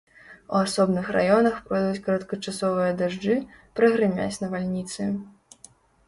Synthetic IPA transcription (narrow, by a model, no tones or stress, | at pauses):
ṵasɔbnɨxra̰jɔnɐxpɾɔd̪uut͡sʲkɐɾɐt̪kɐt͡ʂasɔvɨjɐd̪aʐd͡ʐɨ | pɾɐɣɾɨmʲa̰t͡sʲnɐvalʲnʲit̪sɨ